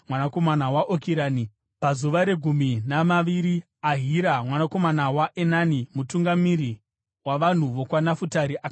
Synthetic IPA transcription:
mwanako̞manawaʔokiɾaːni | pazuʋaɾe̞ɡʱuminamaʋiɾi | aɦiɾamwanako̞manawaʔenanimutuŋɡamiɾi | waʋan̤uʋo̞kwanafutaɾiʔak

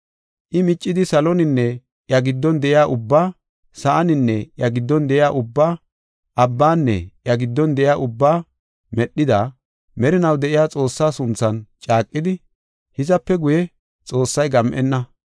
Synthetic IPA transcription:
ʔɪmɪt͡ʃʼːɪd̪ɪsɐlɔnɪnːɛ | ʔjɐɡɪd̪ːɔnd̪ɛʔɪjaːʔʊbːaː | sɐʔɐnɪnːɛʔjɐɡɪd̪ːɔnd̪ɛʔɪjaːʔʊbːaː | ʔɐbːaːnːɛ̰ʔjɐɡɪd̪ːɔnd̪ɛʔɪjaːʔʊbːaː | mɛɗːɪd̪ɐ | mɛɾɪnɐwd̪ɛʔɪjaːt͡sʼo̞ːsːaːsʊnt͡sːɐnt͡ʃʼaːkʼːɪd̪ɪ | hɪzɐpːɛɡʊjɛ | t͡sʼo̞ːsːɐjɡɐmʔɛnːɐ

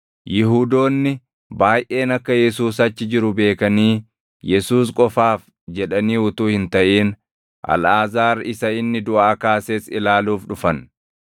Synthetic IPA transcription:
jɪɦuːd̪o̞ːnːɪ | baːjʔe̞ːnɐkːɐjɛsuːsɐt͡ʃːɪd͡ʒɪɾʊbe̞ːkɐniː | jɛsuːskʼɔfaːf | d͡ʒɛᶑɐniːʊt̪uːhɪnt̪ɐʔiːn | ʔɐ̰lʔaːzaːɾɪsɐɪnːɪd̪ʊʔaːkaːseːsɪlaːluːfᶑʊfɐn

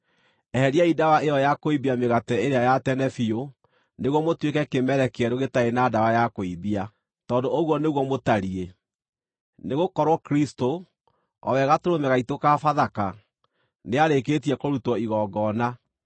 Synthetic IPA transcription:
ɛhɛɾiaidawaʔeɔjakoibiameɣatɛeɾeajatɛnɛfio | neɣwɔmotwekɛkemɛɾɛkeɛɾoɣetaenadawajakoibia | tɔːndooɣwɔneɣwɔmotaɾie | neɣokɔɾwɔkɾisto | ɔ̰wɛɣatoɾomɛɣaitokafaðaka | neaɾeketiɛkoɾutwɔiɣɔːɡɔna

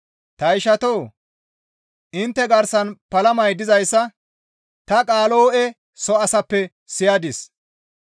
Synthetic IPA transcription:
t̪ɐɪʃɐt̪oː | ʔɪnt̪ːɛɡɐɾsɐnpɐlɐmɐjd̪ɪzɐjsːɐ | t̪ɐkʼaːloːʔɛ | sɔɐsɐpːɛ | sɪjɐd̪ɪs

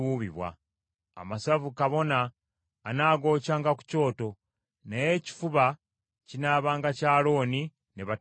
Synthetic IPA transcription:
uβiβwa̰ː | masavukaβo̞naː | naːɡo̞ːcaːŋɡaku̥co̞ːto̞ | neje̞ːci̥fuβa | cinaːβaːŋɡacaːlo̞ːni | neβa

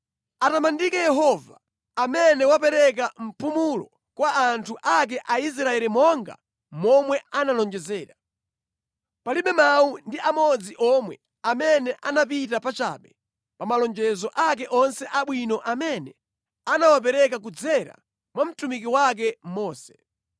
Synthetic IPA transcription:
atamandikɛjɛɦɔvaː | mɛnɛwapɛɾɛk̬am̩pumulɔ | kwaːntʰuʔak̬ɛʔais̬ɾaɛɾimɔŋɡa̰ | mɔmwɛanalɔnd͡ʒɛzɛːɾa | paliɓɛmaundiamɔd͡ziʔɔmwɛ | amɛnɛʔanapitapat͡ʃa̰ːɓɛ | pamalɔnd͡ʒɛzɔʔak̬ɛʔɔnsɛʔaɓwinɔʔamɛnɛ | anawap̬ɛɾɛkak̬ud͡zɛɾa̰ | mwam̩tumik̬iwak̬ɛmɔːsɛ̥

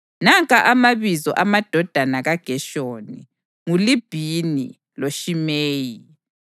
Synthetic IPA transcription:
naŋkʼaʔamaβizɔ̰ʔamad̥ʱɔd̥ʱanaɣaɡ̥ʱɛʃoːni | ŋulib̥ʱinḭ | loʃimeːji

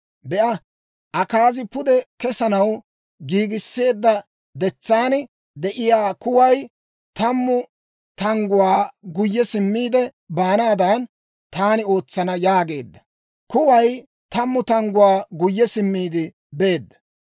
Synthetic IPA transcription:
bɛʔɐ | ʔɐkaːzɪpʊd̪ɛkɛsɐnɐw | ɡiːɡɪsːe̞ːd̪ːɐ | d̪ɛt͡sːaːn | d̪ɛʔɪjaːkʊwɐj | t̪ɐmːʊ | t̪ɐŋɡʊwaːɡʊjːɛsɪmːiːd̪ɛ | baːnaːd̪ɐn | t̪aːnɪo̞ːt͡sːɐnɐjaːɡe̞ːd̪ːɐ̥ | kʊwɐj | t̪ɐmːʊt̪ɐŋɡʊwaːɡʊjːɛsɪmːiːd̪ɪ | be̞ːd̪ːɐ̥

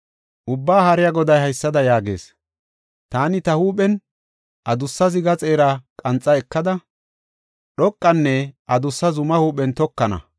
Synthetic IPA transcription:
ʔʊbːaːhɐɾɪjaɡɔd̪ɐjhɐjsːɐd̪ɐjaːɡe̞̰ːs | t̪aːnɪt̪ɐhuːpɛn | ʔɐd̪ʊsːɐzɪɡɐt͡sʼe̞ːɾɐkʼɐnt͡sʼːɐɛkːɐd̪ɐ | ɗɔkʼːɐnːɛʔɐd̪ʊsːɐzʊmɐhuːpɛnt̪ɔkːɐnɐ̰

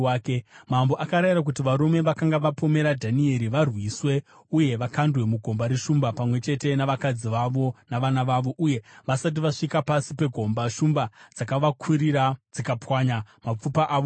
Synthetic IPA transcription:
kemambo̞ʔakaɾaiɾak̬ut̬iʋaɾume̞ʋakaŋɡaʋapo̞me̞ɾadʱanie̞ɾiʋarwiːswe̞ | uje̞ʋakandwe̞muɡʱo̞mbaɾeʂumbapamwe̞t͡ʃe̞te̞naʋakad͡ziʋaʋo̞naʋanaʋaʋo̞ʔuje̞ʋasat̬iʋaʂikapasipe̞ɡʱo̞mbaʂumbad͡zakaʋakʰuɾiɾad͡zikapwaɲamap͡fupaʔaːʋo

